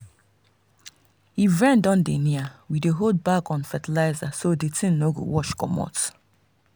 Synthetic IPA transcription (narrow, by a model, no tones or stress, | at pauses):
hivɛ̃ndãndeniawideɦod̚bakɔ̃nfɛtilaɪzasodetʰĩnnːoɡo̰wɔʃkɔ̰mɔ̰t